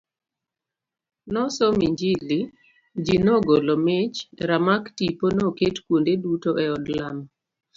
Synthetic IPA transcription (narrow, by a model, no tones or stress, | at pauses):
nɔsɔmiɲd͡ʒili | d͡ʒinoɡolɔmɪt͡ʃɾamaktiponoketkwondedutoʔɛɔdlam